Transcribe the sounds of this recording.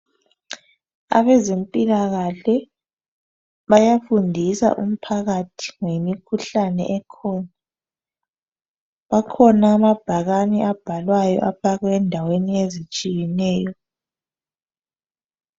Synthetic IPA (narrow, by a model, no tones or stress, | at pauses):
a̰βɛzempʼilaɣaɬɛ | βajafundʱisa̰ʔṵm̩pʰaɣatʰi̥ŋemikʰuɬanɛ̰ʔɛkʰɔːna | βakʰɔnaːmab̥ʱaɣaniʔab̥ʱalwajɔ̰ʔapaɣwɛndʱaweniezit͡ʃʼijɛnɛːjɔ